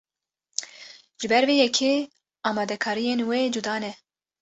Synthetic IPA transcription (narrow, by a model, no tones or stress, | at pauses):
ʒ̥ɨbɛɾveːjɛkʰe | ɑːmɑːd̪ɛkʰɑːɾijenweːd͡ʒud̪ɑːnɛ